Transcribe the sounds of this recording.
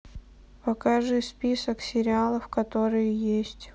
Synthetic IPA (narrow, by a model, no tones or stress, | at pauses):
pɐkaʐɨjspʲisəksʲɪɾʲɪalˠəfkɐt̪o̞ɾɨjʊjesʲtʲ